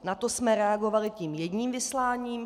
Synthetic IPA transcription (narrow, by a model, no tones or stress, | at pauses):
nat̪o̞smɛɾɛaɡo̞valɪciːmjɛɟɲiːmvɪslaːɲiːm